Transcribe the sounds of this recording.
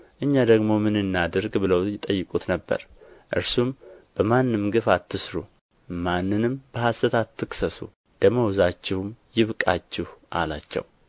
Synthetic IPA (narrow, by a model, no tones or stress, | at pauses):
ʔɨɲːad̪əɡmo̞mɨnɨnːad̪əɾɡbɨləwjɪt̪ʼəjːɨkʼut̪nəbːə̰ɾʔɨ̰ɾsumb̥əmanːɨmɡɨfat̪ʰːɨsɾu | manːɨnɨmb̥əhasət̪ʰat̪ʰːɨksəsṵ | d̪əməwzat͡ʃːɪhumjɪβkʼat͡ʃːɪhʔa̰la̰t͡ʃːɛ̰w